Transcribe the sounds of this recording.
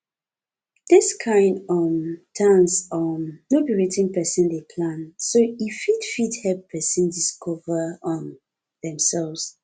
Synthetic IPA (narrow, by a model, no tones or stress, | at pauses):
ðɪskʰãɪ̃ndɔmtʰãnsɔmnobiɹetĩŋpɛsə̃ndepʰlãnsoifitfithɛpʰɛsə̃ndiskʰɔvəɔ̃n | ðɛ̃msɛlvs